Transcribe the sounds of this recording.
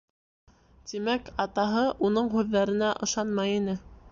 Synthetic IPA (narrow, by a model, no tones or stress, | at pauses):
t̪imækɑt̪ɑɦɤʔunɤɴɦʉðːæɾɘ̆næʔɤ̆ʃɑnmɑjinɘ